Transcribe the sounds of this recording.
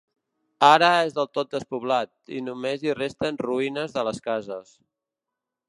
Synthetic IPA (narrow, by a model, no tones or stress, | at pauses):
aɾəezðəlˠt̪ot̪̚d̪əspuβlat̪̚ḭnumezirest̪ənruinəzðələskazəs